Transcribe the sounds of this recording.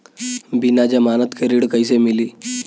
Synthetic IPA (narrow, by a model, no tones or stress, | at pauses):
binad͡ʑamanət̪kʰeɾiɽkəjsemili